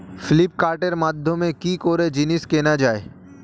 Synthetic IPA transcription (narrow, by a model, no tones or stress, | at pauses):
fʰɪlɪpkaːɾʈeɾmaːd̪ʱjomẽkikoːɾed͡ʒinɪskeːnad͡ʒaːe